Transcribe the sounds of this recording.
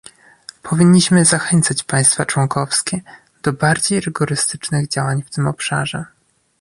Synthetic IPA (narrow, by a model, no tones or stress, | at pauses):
pʰɔvʲiɲːiɕmɘzaxɛnt̪sat͡ɕpaj̃st̪fat͡ʂwɔŋkɔfskʲɛ | d̪̥ɔbaɾd͡ʑejɾɘɡɔɾɘst̪ɘt͡ʂnɘɣd͡ʑawaɲft̪ɘmɔpʂa̰ʐɛ